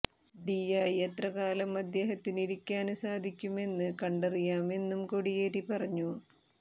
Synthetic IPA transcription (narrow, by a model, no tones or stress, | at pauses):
ɖijɐjet̪rɐkaːlɐmɐd̪je̞ːɦɐt̪ːiniɽikʲːaːnsaːd̪ʱikʲːume̞nːɨkɐɳɖɐrijaːme̞nːumkoɽijeːɾipɐrɐɲːu